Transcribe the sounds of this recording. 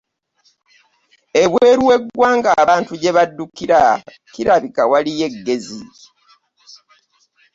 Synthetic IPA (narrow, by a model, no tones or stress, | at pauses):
e̞βwe̞ːɾuwe̞ɡwaːŋɡaβaːntuɟe̞βadːukiɾa | kiɾaβikawalije̞ɡːe̞zi